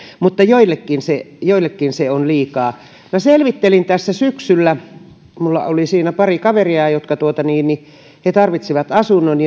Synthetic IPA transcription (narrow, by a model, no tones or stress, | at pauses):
mut̪ːɑjoilːekːinsejoilːekːinseonliːkɑː | mæselʋit̪ːelint̪æsːæsyksylːæ | mulːɑ̰olisiːnæpɑrikɑʋeriɑjot̪kɑt̪uot̪ɑniːnni | het̪ɑrʋit̪siʋɑt̪ɑsunːonj